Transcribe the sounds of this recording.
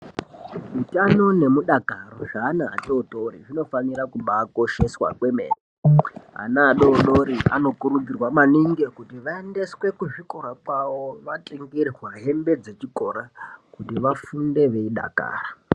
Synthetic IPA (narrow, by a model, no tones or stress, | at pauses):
utano̞ne̞muɗakaroʐanaa̰toːtoɾḭʐino̞faniɾakuɓaːko̞ʃe̞swa̰kwe̞mḛːneɦa̰naːɗo̞ɗoɾiʔa̰no̞kuɾud͡zirwamaniŋɡe̞kutiʋaende̞swe̞kuʐiko̞ɾakwawoʋatʼeŋɡirrwaɦe̞mbe̞d͡ze̞t͡ʃiko̞ɾakutiʋafunde̞ʋe̞iɗa̰ka̰ːra